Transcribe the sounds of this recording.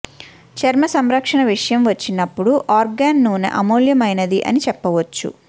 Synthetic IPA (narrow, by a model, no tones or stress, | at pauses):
t͡ʃɐɾmɐsɐmɾɐkʂɐɳɐʋiʂɐjɐmʋɐt͡ʃːinːɐpːuɽuʔaːɾɡaːnːuːnɐ̰ʔɐmoːljɐmɐjnɐd̪iʔɐ̰nit͡ʃɛpːɐʋɐt͡ʃːṵ